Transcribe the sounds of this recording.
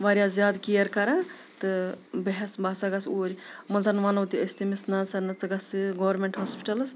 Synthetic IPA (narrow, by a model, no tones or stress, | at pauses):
ʋaːɾʲjaːzʲjaːd̪kijɐɾkɐɾa | t̪ɨbeɦɛsbaːsaɡɐsoːɾʲmɐzanʋanɐwt̪iɐst̪imisnasɐnɐt͡sɨɡɐsɨɡoʋɐɾmeɳʈɦaːspi̥ʈɐlɐs